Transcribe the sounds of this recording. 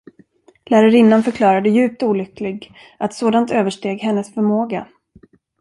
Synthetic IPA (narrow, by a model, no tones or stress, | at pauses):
læːɾaɾɪnːanfœɾkʰlɑːɾad̪əjʉ̟ːp̚t̪uːlʏklɪɡ | ʔat̪soːd̪ant̪øːvəʂʈeːɡhɛnːəsfœɾmoːɡa̰